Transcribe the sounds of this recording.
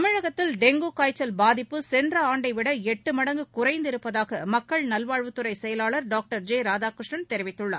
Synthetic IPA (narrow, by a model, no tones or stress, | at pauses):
ɐmɪɻɐɣɐt̪ːɪlɖɛŋɡuːkaːjt͡ʃːɐlbaːðɪpːɯsɛndrɐaːɳɖɐɪʋɪɽɐɛʈːɯmɐɽɐŋɡɯkʊrɐɪnd̪ɪɾɯpːɐðaːɣɐmɐkːɐɭnɐlʋaːɻʋɯt̪ːɯɾɐɪsɛjɐlaːɭɐɾɖaːk̚ʈɐɾd͡ʒeːɾaːd͡ʒaːkɾɪʂɳɐnt̪ɛɾɪʋɪt̪ːɯɭːɐ̰ɾ